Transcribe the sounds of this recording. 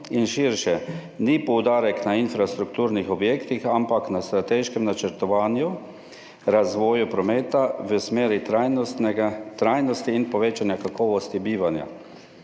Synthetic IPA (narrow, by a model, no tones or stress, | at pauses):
inʃiɾʃɛ | nipɔwd̪aːɾɛknainfɾast̪ɾukt̪uːɾnixɔbjeːkt̪ixampaknast̪ɾat̪eːʃkɛmnat͡ʃɛɾt̪ɔʋaːnju | ɾazʋɔːjupɾɔmeːt̪aʋəsmeːɾiajnɡt̪ɾajnɔst̪iːnpɔʋeːt͡ʃanjakakɔːʋɔst̪ibiːʋanja̰